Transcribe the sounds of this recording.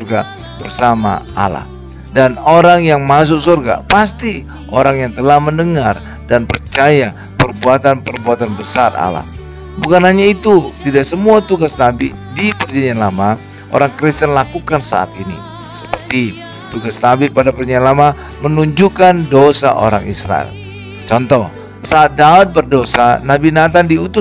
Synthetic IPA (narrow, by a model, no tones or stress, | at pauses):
sɔrɡa | bərsama̰a̰la̰h | danoɾaŋjaŋmas̬ʊk̚sorɡa̰past̪i | ʔoɾaŋjaŋt̪əlahməndəŋar | danpərt͡ʃaja | pərbuat̪anpərbuat̪anbəsara̰la̰h | bukanɦaɲait̪ut̪idaksəmuat̪uɡasnabḭ | dipərd͡ʒaɲianlama | ʔo̰ɾaŋkɾist̪ənlakukansa̰a̰t̪inḭ | səpərt̪i | t̪uɡasnabipadapərɲianlama | mənuɲd͡ʒukandosa̰ʔo̰ɾa̰ŋḭsɾa̰ɛ̰l | t͡ʃɔnt̪ɔh | saːt̪̚daut̪̚bərdosanabinat̪̬andiut̪ʊ